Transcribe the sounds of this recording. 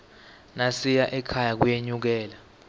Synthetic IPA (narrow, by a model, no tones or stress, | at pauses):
nasijaʔɛkʰajak̬ujeɲuk̬ɛːla